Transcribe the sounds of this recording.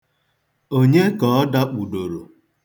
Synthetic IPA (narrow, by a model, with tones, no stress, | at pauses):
o˦ɲe˦kɔ˨˦ɔ˦da˦k͡pu˨do˨ɾo˨